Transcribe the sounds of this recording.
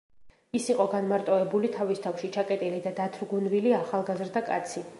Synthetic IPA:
isiqʼɔɡanmaɾt̪ʼɔɛbulit̪ʰavist̪ʰafʃit͡ʃʰakʼɛt̪ʼilid̪ad̪at̪ʰɾɡunviliaχalˠɡazɾd̪akʼat̪sʰi

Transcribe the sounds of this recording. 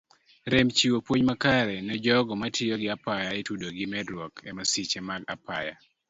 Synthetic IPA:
ɾemt͡ʃiwopwoɲmakaɾɛnɛd͡ʒɔɡɔmatʰɪjɔɡɪapajaetudoɡɪmɛdɾwɔkʰɛmasit͡ʃemaɡa̰pa̰ja̰

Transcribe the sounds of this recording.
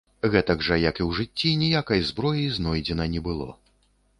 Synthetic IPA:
ɣɛt̪ɐɡʐɐjɐkiwʐɨt͡sʲːinʲijakɐjzbɾɔjijznɔjd͡zʲɛnɐnʲɛbɨlˠɔ̰

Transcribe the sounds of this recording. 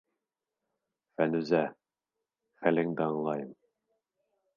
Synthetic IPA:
fænʉzæ | χælɘŋd̪ɑɴlˠɑjɤm

